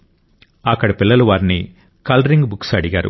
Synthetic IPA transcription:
ɐkːɐɽɐpilːɐluʋaːɾni | kɐlɾiŋɡbuksɐɽiɡaːɾṵ

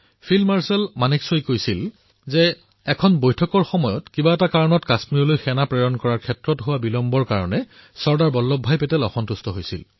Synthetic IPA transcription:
pʰilmaɹsɛlmaniksojkojsil | zɛ | ɛkʰɔnbojtʰɔkɔɹxɔmɔjɔtkibaɛtakaɹɔnɔtkasmiɹɔlojxɛnapɹɛjɔnkɔɹaɹkʰɛtɹɔtɦʊwabilɔmbɔɹkaɹɔnɛ | sɔɹdaɹbɔlːɔbʱːajpɛtɛlɔ̰xɔntustɔɦojsḭl

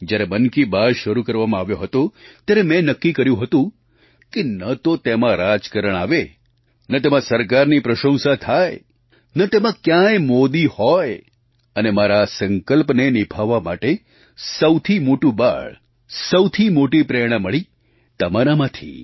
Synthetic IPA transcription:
d͡ʒjaɾebənkibaɭʃəɾukəɾʋamãaʋjoɦət̪ot̪jaɾemɛ̃nəkːikəɾjũɦət̪ũ | kenət̪ot̪emãɾad͡ʒkəɾəɽ̃aʋe | nət̪emãsəɾkaɾnipɾəʃə̃w̃sat̪ʰaj | nət̪emãkjãemod̪ihɔj | ənemaɾasəŋkəlpnenɪbʱaʋːamaʈe | səwt̪ʰimoʈũba̰ɭ | səwt̪ʰimoʈipɾɛɽ̃ãməɭi | t̪əmaɾamãt̪ʰḭ

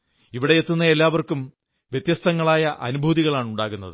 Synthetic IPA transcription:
iʋiɽe̞jet̪ːunːɐe̞lːaːʋɐrkum | ʋjet̪jɐst̪ɐŋːɐɭaːjɐʔɐ̰nubʱuːðiɣɐɭaːɳuɳɖaːɣunːɐðɨ

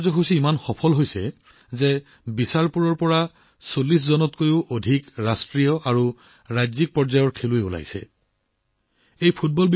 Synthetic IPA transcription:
zɔxusiimanxɔpʰɔlɦojsɛ | zɛ | bisaɹpuɹɔɹpɔɹa | solːis̬zɔnɔtkojʊʔodʱikɹastɹijɔʔaɹu | ɹajzik̚pɔɹzajɔɹkʰeluɛula̰jsɛ̰ | ejpʰut̚bɔlb

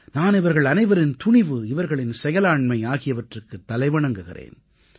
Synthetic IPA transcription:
naːnɪʋɐɾɣɐɭɐnɐɪʋɐɾɪnt̪ʊɳɪʋɯɪʋɐɾɣɐɭɪnsɛjɐlaːɳmɐɪaːɣɪjɐʋɐʈrɯkːɯt̪ːɐlɐɪʋɐɳɐŋɡɯɣɪ̰rḛːn

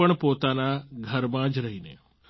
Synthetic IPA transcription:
əɳ̃poːt̪aːnaɡʱəɾmãːd͡ʒɾɐɦinḛː

